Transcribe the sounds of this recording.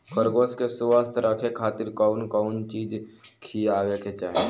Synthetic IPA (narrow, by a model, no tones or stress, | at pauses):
kəɾɡoskesʋəst̪ʰɾʔəkʰekʰaːt̪ɪɾkɔʊnkɔʊnt͡ʃiːd͡ʒkʰiaːʋeket͡ʃa̰ːɦe